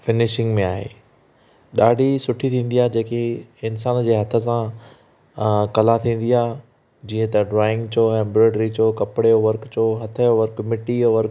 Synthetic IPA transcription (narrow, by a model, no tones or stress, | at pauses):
fɪnɪʃɪ̃ŋɡmẽaːɦḛː | ɗaːɖʱisʊʈʰit̪ʰĩːn̆d̪ijaːd͡ʑeːkeɪnsaːnd͡ʑeːɦɐt̪ʰə̆s̬ã | kɐlat̪ʰĩːn̆d̪ijaː | d͡ʑiːə̃t̪ɐɖɾaːɪ̃ŋɡt͡ɕʰoːɛ̃ːmbɾeːɖɾit͡ɕʰoːkɐpɪɽeoʋɐɾkt͡ɕʰoːɦɐt̪ʰəjoʋɐɾkmɪʈijoʋɐɾk